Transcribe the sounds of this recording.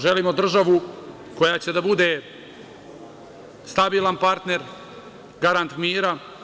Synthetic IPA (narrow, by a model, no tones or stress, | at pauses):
ʒe̞liːmo̞d̪r̩ʒaʋu | ko̞jaːt͡ɕe̞d̪abud̪e | st̪abiːlˠanpaɾt̪ne̞ɾ | ɡaɾant̪miːɾa